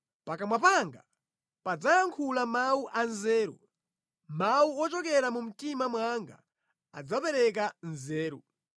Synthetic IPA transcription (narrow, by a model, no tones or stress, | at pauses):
pakamwapaŋɡa | pad͡zajaŋkʰulamauʔanzɛːɾṵ | mauɔt͡ʃɔkɛɾamum̩timamwaŋɡa | ad͡zapɛɾɛk̬anzɛːɾṵ